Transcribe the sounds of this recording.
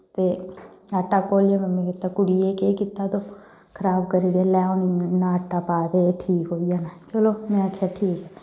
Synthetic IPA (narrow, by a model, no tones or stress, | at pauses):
t̪eaʈːakoːlijamɛmẽkɪt̪ːaːkʊɽiekekɪt̪ːat̪o | kʰəɾaːbkəɾiːɾaːlɛːonɪŋnãəʈːaːpaːd̪eʈʰiːkɦoːijanaːt͡ʃəloːmɛ̃akʰaʈʰiːkɦɛː